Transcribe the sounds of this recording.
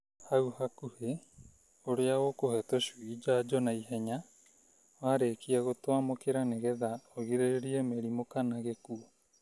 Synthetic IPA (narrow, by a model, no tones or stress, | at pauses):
hauhakuhe | oɾeaokohɛtoʃuid͡ʒaːd͡ʒɔnaiɦɛɲa | waːɾeːkiaɣotwamokeɾaneɣɛðaoɣeɾeɾiemeɾimokanaɣekuo